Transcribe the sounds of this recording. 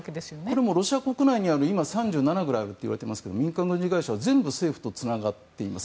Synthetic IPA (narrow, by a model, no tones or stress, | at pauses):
ked̪esɨjonko̞ɾemo̞ɾo̞ɕiako̞kɯ̟naiɲ̟iaɾɯ̟imasãɲ̟d͡ʑɨːnanaɡɯ̟ɾaɯ̟t̪ːeiβaɾe̞t̪emasɨ̥ke̞d̪o̰mʲĩŋkãŋɡɯ̟ɲd͡ʑiɡaiɕaβazẽ̞mbɯ̟se̞ːɸɯ̟̥t̪o̞t͡sɨnaɡat̪ːe̞ima̰s